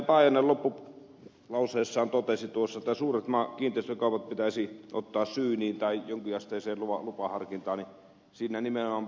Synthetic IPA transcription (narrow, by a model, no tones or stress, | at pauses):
pɑˑijɑnːellopːu | lɑˑuseːsːɑːnt̪ot̪esit̪uosːɑet̪ːæsuːret̪mɑːkiːnt̪eˑist̪økɑˑupɑt̪̚pit̪æsiʔo̰t̪ːɑːssyːniːnt̪ɑˑijoŋkiɑst̪eːˑseːluʋɑlupɑhɑrkint̪ɑːni | siːnænimenomɑm